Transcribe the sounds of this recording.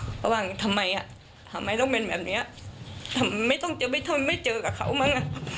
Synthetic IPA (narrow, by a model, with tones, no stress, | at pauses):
kɔ˧˩ɓaː˧˩ŋ˨t̪ʰə˨˩mːa˨˩jʔaː˨ | t̪ʰa˨˩mːa˨˩jzə˧wŋ͡mme˨˩nmɛ̰˨˩p̚nḭ˧˥ʔaː˧˩t̪ʰə˨˩m˨mə˨˦jkɔ˧˩ŋt͡ɕəː˨˧˩ɓə˧jt̪ʰo˧˩jmə˨˦jt͡ɕəː˧˨˩kaː˧˩xə̰˧˩wma˧˦ŋʔaː˧˨